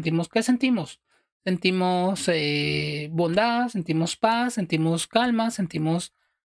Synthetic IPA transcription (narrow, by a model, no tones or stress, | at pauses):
nt̪̬imoskesent̪imosː | ent̪imosebond̪aðsent̪imospasːent̪imoskalmasent̪imos